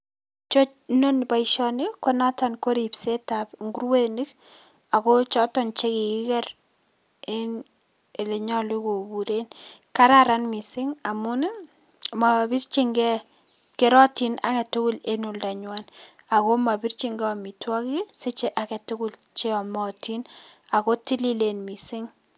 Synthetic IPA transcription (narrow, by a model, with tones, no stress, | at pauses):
t͡ʃo˦t͡ʃno˦nba˨iʃɔnɪkɔ˦na˦tanko˦ɾi˨pse˦tapŋɡu˦rwe˦ni˦k̚ | a˨ko˦t͡ʃɔ˦tɔ˦nt͡ʃe˦ki˨ki˦kɛ˦r | en | e˨le˨ɲɔ˦li˦ko˨bu˨ɾenka˦ɾaɾa˦nmi˨sɪ˦ŋa˨mʊ˦n˦ | ma˨bi˦rt͡ʃi˦ŋɡɛ˦ | ke˦ɾɔ˦ti˦na̰˨kɛ˨tʊ˦kʊ˦le˦nu˨lda˨ɲwa˦n | a˨ko˦ma˨bi˦rt͡ʃi˦ŋɡɛ˦ɔ˨mi˨twɔ˦ki˦se˦t͡ʃe˦ʔa˨kɛ˨tʊ˦kʊ˦l | t͡ʃe˦ɔ˨mɔ˨tʰi˦na˨ko˦ti˦li˦le˨nmi˨sɪ˦ŋ